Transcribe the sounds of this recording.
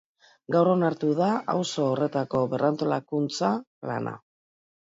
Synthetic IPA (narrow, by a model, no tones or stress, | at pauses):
ɡawɾo̞naɾt̪uðaʔa̰wso̞ːre̞t̪ako̞βe̞rant̪o̞lakunt͡sa | la̰na̰